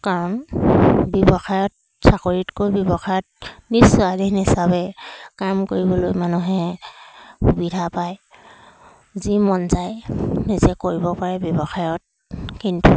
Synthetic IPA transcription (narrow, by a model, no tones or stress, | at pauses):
kaɹɔn | bjɔbɔxajɔt̚ | sakoɹitkojbjɔbɔxajɔt̚nisuadinisabɛkamkoɹibɔlojmanuɦɛ | xubidʱapaj | zimɔnzajnizɛkoɹibɔpaɹɛbjɔbɔxajɔt̚ | kintu